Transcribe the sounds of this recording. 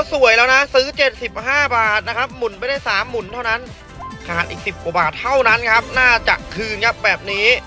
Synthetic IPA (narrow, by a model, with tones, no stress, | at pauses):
a˦˥˩wsu˨˩əjlɛː˦˥wna˦˥sɯː˦˥t͡ɕe˨˩t̪̚si˨˩p̚haː˥˩baː˨˩t̪̚na˦˥kʰa˦˥p̚mu˨˩˦npa˧jda˥˩jsaː˩˦mːu˨˩˦nt̪ʰa˥˩wna˦˥n | kʰaː˨˩t̪ʔḭː˨˩k̚si˨˩p̚kwa˨˩baː˨˩t̪ʰːa˥˩wna˦˥nkʰa˦˥p̚naː˥˩t͡ɕa̰˨˩ʔkʰɯː˧nkʰa˦˥p̚bɛː˨˩p̚niː˦˥